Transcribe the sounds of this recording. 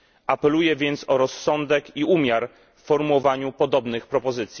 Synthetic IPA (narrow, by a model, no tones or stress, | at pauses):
ʔapɛlujɛvʲjɛnt̪sɔɾɔsːɔnd̪ɛkiumʲjaɾ | fːɔɾmuwɔvaɲupɔd̪ɔbnɘxpɾɔpɔzɘt̪sʲji